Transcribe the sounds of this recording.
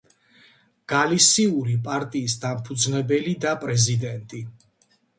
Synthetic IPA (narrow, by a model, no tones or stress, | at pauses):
ɡ̥alisiuɾipʼaɾt̪ʼiːsd̪ampʰud̪znɛbɛlid̪apʼɾɛzid̪ɛnt̪ʼi